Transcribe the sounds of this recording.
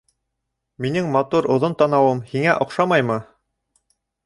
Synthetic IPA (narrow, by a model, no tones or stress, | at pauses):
minɘŋmɑt̪uɾŏðont̪ɑnɑwɤmhiŋæʔŏqʃɑmɑjmɤ